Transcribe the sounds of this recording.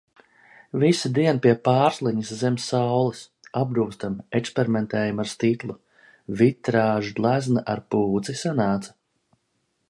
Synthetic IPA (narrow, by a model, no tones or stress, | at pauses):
visid̪iɛnpiɛpaːɾslˠiɲiszɛmsːawlˠis | ab̚ɡ̪uːst̪amɛkspeɾiment̪ɛːjumaɾst̪ik̪lˠu | vit̪ɾaːʒud̪lˠæznaʔa̰ɾpuːd̪zisanaːt̪sɐ̥